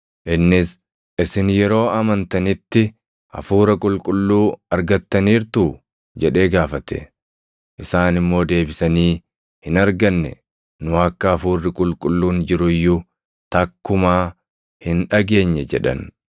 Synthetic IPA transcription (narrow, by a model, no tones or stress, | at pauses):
ʔɪnːɪs | ʔɪsɪnjɛɾo̞ːɐmɐnt̪ɐnɪt̪ːɪ | ʔɐ̰fuːɾɐkʼʊlkʼʊlːuːɐɾɡɐt̪ːɐniːɾt̪uː | d͡ʒɛᶑe̞ːɡaːfɐt̪ɛ̰ | ʔɪsaːnɪmːo̞ːd̪e̞ːbɪsɐniː | hɪnɐɾɡɐnːɛ̰ | nʊɐkːɐːfuːrːɪkʼʊlkʼʊlːuːnd͡ʒɪɾʊjːʊ | t̪ɐkːʊmaː | hɪnᶑɐɡe̞ːɲːɛd͡ʒɛ̰ᶑɐ̰n